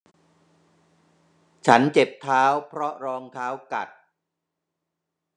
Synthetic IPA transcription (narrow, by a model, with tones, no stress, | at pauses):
t͡ɕʰa˦˥nt͡ɕe˨˩p̚t̪ʰaː˦˥wpʰɾɔ˦˥ɾɔː˧ŋt̪ʰaː˦˥wka˨˩t̪̚